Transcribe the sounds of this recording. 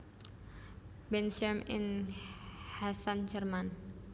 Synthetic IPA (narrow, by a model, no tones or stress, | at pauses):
bɛnsamɪ̰n | hasand͡ʒərman